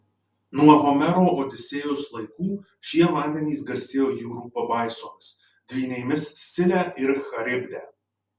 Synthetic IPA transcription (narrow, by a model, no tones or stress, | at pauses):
nuɔɦomʲɛɾoːʔoːd̪ʲɪsʲeːjʊslˠɐɪkuː | ʃʲiɛmɑːd̪ʲɛnʲiːsɡɐɾʲsʲeːjoːjuːɾuːpɐbɑˑɪsoːmʲɪs | d̪ʲʋʲiːnʲɛɪmʲɪssʲɪlʲæːʔɪɾxɐɾʲɪbʲd̪ʲæː